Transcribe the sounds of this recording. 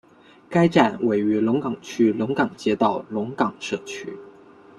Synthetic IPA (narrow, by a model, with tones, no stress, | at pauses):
ka˥ɪʈ͡ʂa˥˩nwe˨˩ɪy˧˥lʊ˧˥ŋkɑ˨˩ŋt͡ɕʰy˥lʊ˧˥ŋkɑ˨˩ŋt͡ɕjɛ˥t̪ɑ˥˩ʊlʊ˧˥ŋkɑ˨˩ŋʂɤ˥˩t͡ɕʰy˥